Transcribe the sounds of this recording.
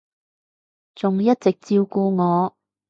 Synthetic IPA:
t͡sʊ˨ŋjɐ˥t̚t͡sɪ˨k̚t͡siː˧wkuː˧ŋɔː˨˧

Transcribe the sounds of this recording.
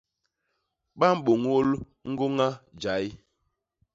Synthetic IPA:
ɓa˦m̩˦ɓo˨ŋo˦l | ŋ̩˦ɡo˦ŋa˦d͡ʒa˨˦j

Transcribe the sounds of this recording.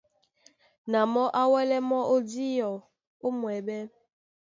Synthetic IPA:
na˨mɔ˦ʔa˦wɛ˦lɛ˦mɔ˦ʔo˦di˦jɔ˨ | o˦mwɛ˨bɛ˦

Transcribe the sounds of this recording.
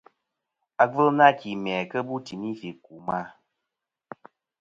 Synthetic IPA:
a˨və˦lna˦ki˨mɛ˨kə˦bu˦ti˨mi˦fi˨ku˨ma˦

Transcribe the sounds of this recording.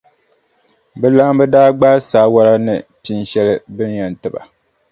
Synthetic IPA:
bɨ˦la˦mbɨ˦daː˦ɡ͡baː˦saː˦wa˦ɾa˦nɨ˨ti˦nʃɛ˦lɨ˦bɨ˦n˦jɛ˨n˨tɨ˨ba̰˨

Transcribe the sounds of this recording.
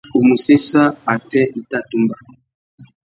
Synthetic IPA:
o˨mu˨se˦sa˦a˨pɛ˦i˨ta˦tu˦mba˨

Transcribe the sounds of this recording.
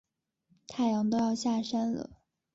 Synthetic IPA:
t̪ʰa˥˩ɪjɑ˧˥ŋt̪o˥ʊjɑ˥˧ʊɕja˥˩ʂa˥nlə̰˩˨

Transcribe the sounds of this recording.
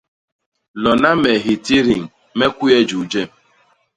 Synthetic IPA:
lɔ˨na˦me˨ɦi˨ti˦ɾi˨ŋ̩˨ | me˦kʷu˦e˦d͡ʒu˨d͡ʒe˦˨m̩˨˦

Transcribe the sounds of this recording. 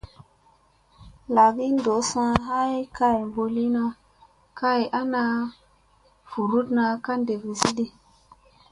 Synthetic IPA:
la˨ɡi˦ndo˨˦sã˧ɦa˦jka˦jmbo˧li˦na˧ | ka˦˨jʔa˦na˧ | vu˨ɾu˦tna˧ka˦nde˨vi˨si˦di˦

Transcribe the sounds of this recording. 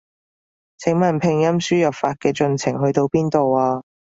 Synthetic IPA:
t͡sʰɪ˨˥ŋmɐ˨˩npʰɪ˨ŋjɐ˥msyː˥jɐ˨p̚faː˧t̚kɛː˧t͡ʃɵ˧nt͡sʰɪ˨˩ŋhɵ˧ɥt̪o˧wpiː˥nt̪o˨waː˧

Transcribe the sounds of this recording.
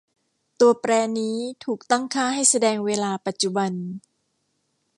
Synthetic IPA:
t̪u˧ɐpɾɛː˧niː˦˥t̪ʰuː˨˩k̚t̪a˥˩ŋkʰaː˥˩ha˥˩jsa˧dɛː˧ŋweː˧laː˧pa˨˩t̪̚t͡ɕu˨˩ba˧n

